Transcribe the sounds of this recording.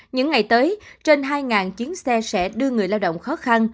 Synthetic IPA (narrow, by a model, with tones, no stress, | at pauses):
ɲɨ̰˧˥ŋːa˨˩jt̪əː˨˦jt͡ɕe˧nɦaː˧jŋaː˨˩nt͡ɕi˨˦ənsɛ˧sɛ̰˧˥ɗɨ˧əŋɨ˨˩əjlaː˧wɗə̰˧˨wŋ͡mxɔ˨˦xa˧n